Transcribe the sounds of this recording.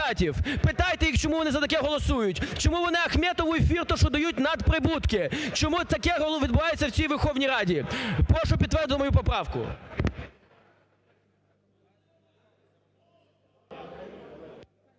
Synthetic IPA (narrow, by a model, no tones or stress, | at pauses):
ɑtʲiwpɪt̪ɑjt̪ɛjikt͡ʃɔmuʋɔnɪzɐt̪ɐkɛɦɔlˠɔsujʊtʲt͡ʃɔmuʋɔnɪɐxmʲɛt̪ɔʋʊefʲirt̪ɔʃɔd̪ɐjut̚ʲnɐd̪pɾɪbut̪kɪt͡ʃɔmut̪ɐkɛɦɔlˠʋʲid̪bʊʋɑjet͡sʲːɐwt͡sʲijʋerxɔwnʲijɾɑdʲipɾɔʃʊpʲid̪ʋɛrd̪ɪt̪mɔjup̬ɔpɾɑwkʊ̰